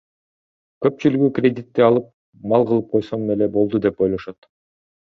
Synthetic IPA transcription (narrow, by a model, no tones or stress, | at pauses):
kø̞pt͡ʃylyɡykrʲed̪ʲit̪ːiɑlˠɯp̚ | mɑlˠʁɯlˠɯp̚qʰo̞jsomnele̞bo̞lˠd̪ud̪e̞po̞jlˠo̞ʃot̪